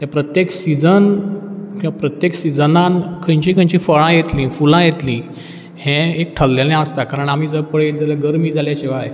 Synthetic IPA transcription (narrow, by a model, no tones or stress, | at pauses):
t̪japɾət̪jeksid͡zənkĩʋapɾət̪jeksid͡zənãnkʰə̃ɲt͡ɕĩkə̃ɲt͡ɕĩfəɭãjet̪lĩːfulãjet̪lĩː | hẽek̚ʈʰəlːjalẽəst̪akaɾəɳam̤iːd͡zəɾpəɭed̪alaɡəɾmiːd͡zʱaljat͡ɕeʋaɦe